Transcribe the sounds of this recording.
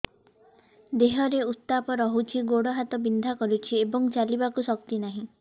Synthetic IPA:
d̪eɦɔɾeust̪ːapɔɾɔɦut͡ʃʰiɡoɽɔɦat̪ɔbind̪ʱakɔɾut͡ʃʰiebɔŋt͡ʃalibakusɔk̚t̪inaɦĩ

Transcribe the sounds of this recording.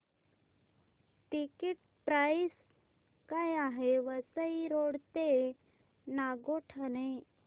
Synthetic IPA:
ʈikiʈ | pɾajis | kajaɦeʋəsəiɾoɽt̪e | naɡoʈʰane

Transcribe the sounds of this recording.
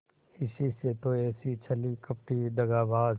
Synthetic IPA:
ɪsiset̪oɛːsit͡ʃʰəlikəp̚ʈid̪ɐɡaːbaːz

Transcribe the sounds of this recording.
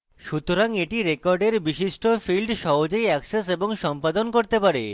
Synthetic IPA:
ʃut̪oɾaŋeʈiɾekɔɾɖeɾbiʃiʃʈofilɖʃɔɦod͡ʑejɛkseseboŋʃɔmpad̪onkoɾt̪epaɾḛ

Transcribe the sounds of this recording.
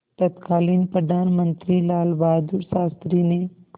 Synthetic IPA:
t̪ət̪kaːlinpɾəd̪ʱaːnmə̃nt̪ɾilaːlbaːd̪uɾsaːst̪ɾine

